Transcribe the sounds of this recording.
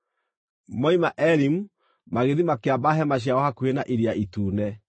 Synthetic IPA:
mɔimaʔɛɾimu | maɣeðimakeabaɦɛmaɕ̬jaɔhakuenaʔeɾiaʔituːnɛ

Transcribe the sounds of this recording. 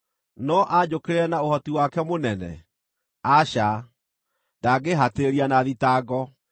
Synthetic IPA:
nɔʔad͡ʑokeɾeɾɛnaohɔtiwakɛmonɛnɛ̰ | aɕa | daɡeɦateɾianaðitaɡɔ

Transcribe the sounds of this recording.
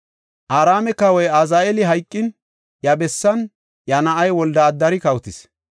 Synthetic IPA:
ʔaːɾaːmɛkɐwɔjazaːɛlɪɦɐjkʼːɪn | jɐbɛsːɐn | jɐnɐʔɐjwɔld̪ɐːd̪ːɐɾɪkɐwʊt̪ɪs

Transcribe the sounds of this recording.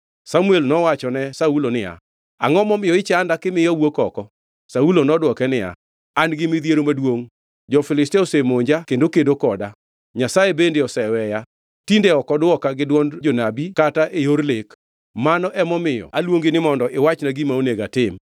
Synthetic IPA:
samuelnɔwat͡ʃɔnɛsaulonɪja̰ | a̰ŋɔmɔmɪjɔɪt͡ʃandakɪmɪjɔwokɔkɔ | saulonɔdwɔkɛnɪja̰ | anɡɪmɪd̪jeɾomadwoŋ | d͡ʒɔfɪlɪsteosemoɲd͡ʒakendokendokɔda | ɲasaebendeɔsɛwɛja | tindeɔkɔdwɔkaɡɪdwɔnd͡ʒonabikataʔejoɾlek | manɔʔɛmɔmɪjɔ̰alwoŋɡenɪmɔndɔʔɪwat͡ʃnaɡimaoneɡatɪm

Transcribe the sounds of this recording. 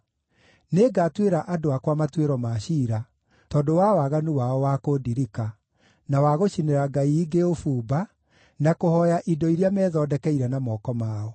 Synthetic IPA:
neɡaːtweɾaʔadoakwamatweɾɔmaɕiːɾa | tɔːdowawaɣanuwaɔwakodiɾika | nawaɣoɕineɾaɡaiːɡeofuːba | nakohɔjaʔidɔiɾjamɛːðɔdɛkɛiɾɛnamɔːkɔmaːɔ

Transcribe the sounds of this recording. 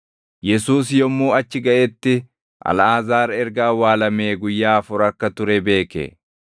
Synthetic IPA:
jɛsuːs̬jɔmːuːɐt͡ʃːɪɡɐʔɛt̪ːɪ | ʔɐ̰laːzaːɾɛɾɡaːwaːlɐmeːɡʊjːaːfʊɾɐkːɐt̪ʊɾɛbe̞ːkɛ̰

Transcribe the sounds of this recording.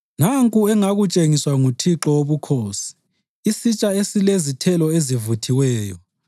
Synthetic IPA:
naŋkʼuɛŋaɣut͡ʃʼeŋiswaŋutʰiǁɔoβukʰoːsi̥ː | sit͡ʃʼaesilezitʰɛlɔezivutʰiwɛːjɔ

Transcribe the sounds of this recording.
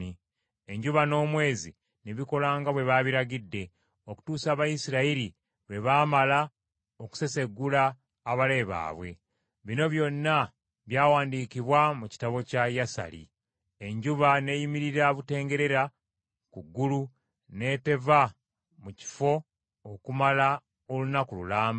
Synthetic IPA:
i | eɲɟuβano̞ːmwe̞ːzi | neβiko̞laːŋɡaβwe̞βaβiɾaɡidːe̞ | o̞ku̥tuːsaːβajisiɾaiɾi | βe̞βaːmala | oku̥se̞se̞ɡːulaː | βale̞ːβa̰ːβwe̞̰ | βino̞βjo̞nːa | βjaːwaːndiːkiβwamuci̥taβo̞cajasa̰lḭ | e̞ɲɟuβane̞jimiɾiɾaβute̞ːŋɡe̞ɾe̞ɾa | kuɡːulu | ne̞ːte̞va | muci̥fo̞ | okumala | olunakululaːmba

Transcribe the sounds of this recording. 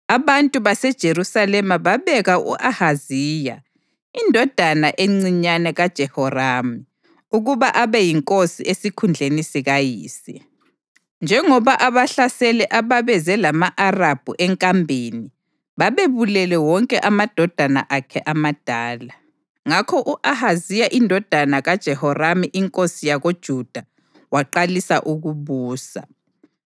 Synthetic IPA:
aβantʼuβasɛd̥ʒ̥ʱeɾusalɛmaβaβɛɣaṵʔahaziːja̰ | indʱɔd̥ʱanaʔeŋ͡ǀiɲanɛɣad̥ʒ̥ʱɛhɔrami | uɣuβaʔaβɛjiŋkʼosḭʔesikʰund͡ɮʱenisiɣajiːsi | nd͡ʒʱɛŋɔβaʔaβaɬasɛlɛʔaβaβɛzɛlamaʔarab̥ʱuʔɛŋkʼambʱeni | βaβeβulɛlɛwɔŋkʼɛʔamad̥ʱɔd̥ʱana̰ʔakʰɛʔamad̥ʱaːla | ŋakʰɔʔuʔahazijaʔindʱɔd̥ʱanaɣad̥ʒ̥ʱɛhɔramiʔiŋkʼosijaɣod̥ʒ̥ʱud̥ʱa | waǃalisaʔuɣuβuːsa̰

